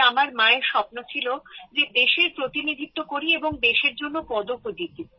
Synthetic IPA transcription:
amaɾmaeɾʃɔpnot͡ɕʰilod͡ʑed̪eʃeɾpɾot̪inid̪ʱit̪ːokoɾieboŋd̪eʃeɾd͡ʑonːopɔd̪okod͡ʑ̪it̪i

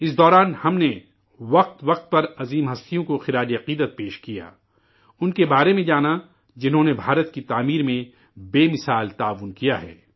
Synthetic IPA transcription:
ɪsd̪ɔːɾaːnhɐmne | ʋɐq̚t̪ʋɐq̚t̪̚pɐɾɐziːmɦɐst̪ijõkoxɪɾaːd͡ʒiɐqiːd̪ət̪̚peːʃkija̰ː | ʊnkebaːɾemẽd͡ʒaːna | d͡ʒɪnɦõnebʱaːɾət̪kit̪aːmiːɾmẽ | beːmɪsaːlt̪aːʋːʊnkijaɦɛ̰ː

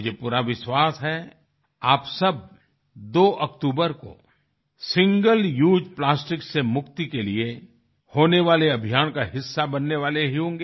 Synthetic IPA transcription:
d͡ʒepuːɾaʋɪʃwaːsɦɛ | aːpsɐb̚ | d̪oːʔɐkt̪uːbəɾko̰ | sɪ̃ŋɡəljuːd͡ʒplaːsʈɪksemʊkt̪ikelie | hoːneʋaːleɐbʱijaːnkaɦɪsːabɐnːeʋaːleɦiɦõːŋɡeː

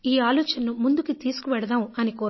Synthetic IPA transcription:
iːaːlɔːt͡ʃɐnɐnumund̪ukit̪iːsu̥kuʋɛɽɐd̪aːmɐnikoː

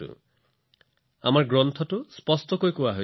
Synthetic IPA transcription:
ṵ | a̰maɾɡɾɔnt̪ʰɔʈuspɔstɔkojkowaɦo

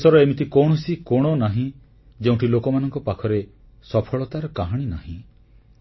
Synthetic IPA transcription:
sɔɾɔemit̪ʰikɔɽ̃ɔsikɔɽ̃ɔnaɦĩ | d͡ʒeũɳʈʰilokɔmanɔŋkɔpakʰɔɾe | sɔpʰɔɭɔt̪aɾɔkaɦaɽ̃inaɦḭ̃

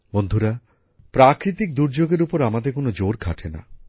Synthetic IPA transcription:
bond̪ʱuɾa | pɾakɾit̪ik̚d̪uɾd͡ʑoɡeɾupoɾamad̪ekonod͡ʑoɾɡʱa̰ʈʰena̰

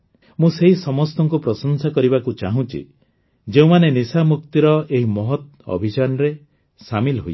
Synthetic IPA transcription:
mũseɦisɔmɔst̪ɔŋkupɾɔsɔnsakɔɾibakut͡ʃaɦũt͡ʃḭ | d͡ʒeũmanenisamuk̚t̪iɾɔeɦimɔɦɔt̪ | ɔ̰bʱit͡ʃanɔɾe | samilɦoj

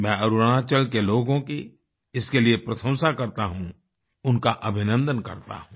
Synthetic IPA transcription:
mɛ̃ːɐɾuɾəɽ̃at͡ʃɐlkeloːɡõki | ɪskeliepɾɐsə̃w̃sakɐɾt̪aɦũ | ʊnkaʔɐbʱɪnə̃nd̪ənkɐ̰ɾt̪a̰ɦũː

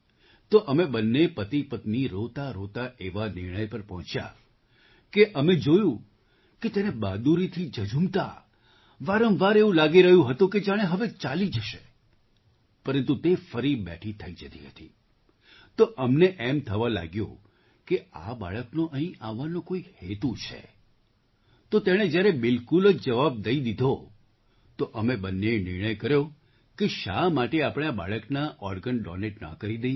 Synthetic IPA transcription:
t̪oʔəmebənːepət̪ipət̪niɾot̪aɾot̪aʔeʋanɪɾɽ̃əjpəɾpɔɦɔ̃t͡ʃja̰ | keʔəmed͡ʒojũ | ket̪enebad̪uɾit̪ʰid͡ʒəd͡ʒumt̪a̰ | ʋaɾəmʋaɾeʋũlaɡiɾəɦjũɦət̪ũked͡ʒaɽ̃eɦəʋet͡ʃalid͡ʒəʃe | pəɾə̃nt̪ut̪efəɾibɛ̰ʈʰit̪ʰəid͡ʒət̪iɦət̪ḭ | t̪oʔəmneʔɛmt̪ʰəʋala̰ɡjõ̰ | kea̰ba̰ɭəknoʔəɦĩʔaʋːanõkoihet̪ut͡ʃʰḛ | t̪ot̪eɽ̃ed͡ʒjaɾebɪlkuləd͡ʒd͡ʒəʋab̚d̪əid̪id̪ʱo | t̪oʔəmebənːenɪɾɳ̃əjkəɾjo | keʃamaʈeapɽ̃eaba̰ɭəknaʔɔɾɡənɖɔ̰neʈnə̰kəɾid̪ej

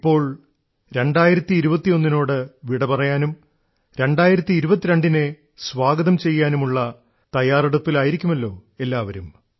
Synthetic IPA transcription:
ipːo̞ːɭ | ɾe̞ɳɖaːjiɾɐt̪ːiːɾubɐt̪ːijo̞nːino̞ːɽɨʋiɽɐpɐrɐjaːnum | ɾe̞ɳɖaːjiɾɐt̪ːiːɾubɐt̪ːiɾeɳɖine | sʋaːɡɐðɐmt͡ɕe̞jːaːnumuɭːɐ | t̪ɐjaːriɽupːilaːjiɾikʲːumɐlːo̞̰ːe̞lːaːʋɐɾum

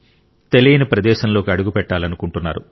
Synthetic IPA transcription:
t̪e̞lijɐnɐpɾɐd̪ɛːʃɐnlo̞ːkiɐɽuɡupɛʈːaːlɐnukuɳʈunːaːɾṵ

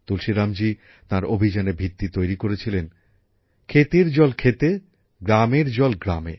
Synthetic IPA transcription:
t̪ulʃiɾamd͡ʑi | t̪ãɾobʱid͡ʑanebʱit̪ːit̪ojɾikoɾet͡ɕʰilen | kʰet̪eɾd͡ʑɔlkʰet̪e | ɡɾameɾd͡ʑɔlɡɾamḛ

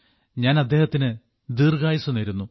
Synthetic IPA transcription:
ɲaːnɐd̪ːe̞ːhɐt̪ːinɨ | d̪iːrɡaːjisunːɐɾunːu

